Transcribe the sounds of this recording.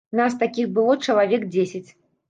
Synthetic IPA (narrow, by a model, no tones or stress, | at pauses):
nast̪akʲixbɨlˠɔt͡ʂɐlˠavʲɛk̚d͡zʲesʲɪt͡sʲ